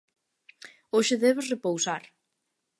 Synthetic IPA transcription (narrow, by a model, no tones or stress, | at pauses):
oʃɪðɛβosrepowsaɾ